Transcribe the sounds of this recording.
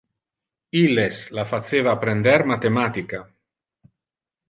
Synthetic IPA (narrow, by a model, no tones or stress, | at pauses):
ileslafat̪seːvapɾend̪ɛɾmat̪emat̪ika